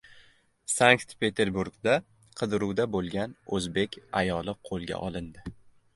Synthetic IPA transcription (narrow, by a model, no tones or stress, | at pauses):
saŋkt̪pʰet̪ʰe̞ɾbuɾɡd̪a | qʰɨd̪ɾuwd̪abolˠɡʲanɵzbe̞kʲʰajɒlˠɪqʰolˠɡʲa̰ʔɒlˠɪnd̪ɪ